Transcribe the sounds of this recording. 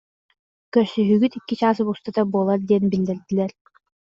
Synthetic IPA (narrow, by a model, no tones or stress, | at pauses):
kœɾsyɦyɡyt̪ikːit͡ɕaːs̬ɯbust̪ad̪abuɔlˠaɾd̪iɛnbilːɛɾd̪ilɛɾ